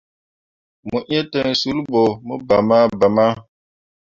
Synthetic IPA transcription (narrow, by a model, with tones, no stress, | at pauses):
mu˨ʔe˦te˦˨nsu˨˦lbo˨mu˦ba˨ma˦ba˨ma˦